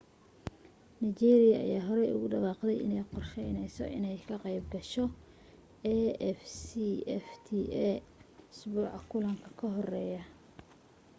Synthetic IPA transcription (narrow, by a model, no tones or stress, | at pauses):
nijt͡ʃiɛːɾɪjɐɐ̰jaːɦɔɾɛjʊ̰ɣʊɖɐɣɑːqd̪ɛjɪ̰nɛjqɔrʃɛjnɛjsɔ̰ʔɪ̰nɛjkʰɐqɛjbɡɐʃɔ | ɛːɛfsiɛft̪ʰiɛʊsbuːʕɑkʰʊlɐŋkʰɐ̥kʰɐɦɔrɛːjɐ